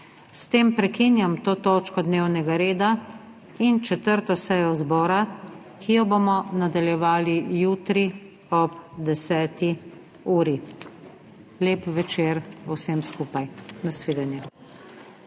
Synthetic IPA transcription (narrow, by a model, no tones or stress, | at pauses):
st̪eːmpɾɛkinjamt̪oːt̪oːt͡ʃkɔd̪neːwnɛɡaɾeːd̪a | int͡ʃɛt̪əɾt̪ɔsɛjɔzbɔːɾa | kijɔbomɔnad̪aljɛʋaːlijuːt̪ɾi | ɔpd̪ɛsɛːt̪i | uːɾi | leːpʋɛt͡ʃeːɾɔwsɛmskuːpajnasʋeːd̪anjɛ